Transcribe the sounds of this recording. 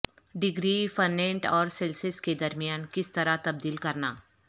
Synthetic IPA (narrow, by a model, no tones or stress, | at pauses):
ɖɪɡɾiːfɐnːẽɳʈɔːɾsɛlsɪsked̪ɐɾmijaːnkɪst̪ɐɾat̪ɐb̚d̪iːlkɐɾnaː